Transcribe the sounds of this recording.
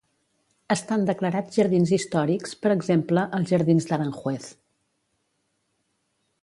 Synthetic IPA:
əst̪and̪əkləɾad͡zʒəɾð̞inzist̪ɔɾikspəɾəɡzempləʔəlˠzʒəɾðinzðəɾaŋxwɛθ

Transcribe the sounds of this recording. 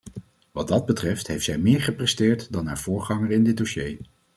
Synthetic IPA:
ʋɑd̚ɑd̚bətrɛftɦejftszɛjmɪːɹχəprɛstɪːɹtdɑnɦa̰ːɹv̥ʊːɹχɑŋəɹɪndɪd̚doʃej

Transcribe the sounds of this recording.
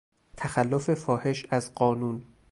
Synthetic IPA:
t̪ʰæxælːofe̞fɒːhe̞ʃæzɢɒːnuːn

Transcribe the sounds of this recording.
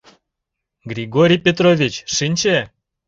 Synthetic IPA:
ɡrʲiɡoɾʲijpʲet̪rovʲit͡ɕʃɨnʲt͡ɕe

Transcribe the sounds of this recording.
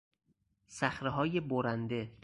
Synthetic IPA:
sæxɾeɦɒːje̞boɾænd̪e̞

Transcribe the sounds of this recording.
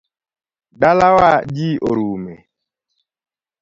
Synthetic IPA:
dalawad͡ʒiʔoɾumɛ̰

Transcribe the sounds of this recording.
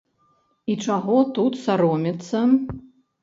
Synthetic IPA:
it͡ʂaɣɔt̪ut̪saɾɔmʲit̪sːɐ

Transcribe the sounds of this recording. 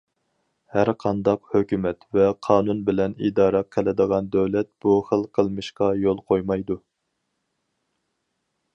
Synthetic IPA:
hæɾqʰɑnd̪ɑqhøkʲymɛt̪vɛqʰɑːnunbɪlɛnḭd̪ɑːɾɑqʰɪlɪd̪əʁɑnd̪øwlɛt̪̚b̥uχəlˠqʰəlˠmɨʃqɑjolˠqʰojmɑjd̪u

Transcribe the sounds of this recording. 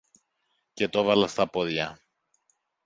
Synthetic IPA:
ce̞t̪o̞vɐlɐst̪ɐpoðʝɐ

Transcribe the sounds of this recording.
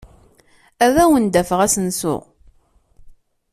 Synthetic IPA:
æðæwənd̪æfəʁæsənsʊ̰ʁ

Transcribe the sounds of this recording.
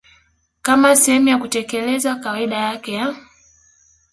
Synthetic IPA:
kamasɛhɛmujakutɛkɛlɛzakawaiɗajakɛja

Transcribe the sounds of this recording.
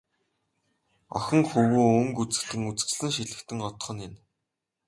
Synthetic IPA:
ɔ̰xʲɞ̆ŋxɵwuːɵŋkut͡sɘ̆ɮɘ̆ŋut͡sɘ̆kt͡ɕɮɘ̆ŋʃiɮɘ̆kt̪ɘ̆ŋɔt̪ɞ̥̆χɞ̆nɪ̆n

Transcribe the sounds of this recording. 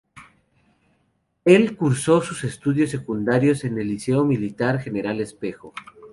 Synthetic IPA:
e̞lkuɾso̞suse̞st̪uðjo̞sːe̞kund̪aɾjo̞se̞ne̞lːise̞omilit̪aɾxe̞ne̞ɾale̞spe̞xo

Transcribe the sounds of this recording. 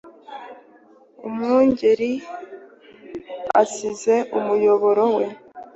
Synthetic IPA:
ṵmŋuːɲɟeɾi | a̰size̞ʔumujo̞βoɾo̞we̞

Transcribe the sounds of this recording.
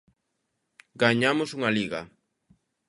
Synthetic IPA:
ɡaɲamosuŋaliɣa

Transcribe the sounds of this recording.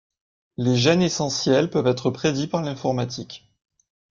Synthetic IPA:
leʒɛnesɑ̃sjɛlpœvɛt̪χəpχed̪ipaʁlɛ̃fɔʁmat̪ʰik

